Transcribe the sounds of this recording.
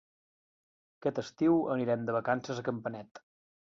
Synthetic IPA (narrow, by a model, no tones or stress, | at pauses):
əkɛt̪əst̪iwəniɾɛmd̪əβəkansəzəkəmpənɛt̪